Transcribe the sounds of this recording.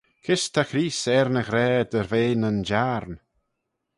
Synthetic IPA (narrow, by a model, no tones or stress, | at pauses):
kʰɪst̪ʰaxɾiːsɛɾnəɣɾɛːd̪əɾveːnənd͡ʒaɾn